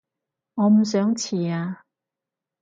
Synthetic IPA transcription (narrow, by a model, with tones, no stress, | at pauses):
ŋɔː˨˧m̩˨˩s̬œː˨˥ŋt͡sʰiː˨˩aː˧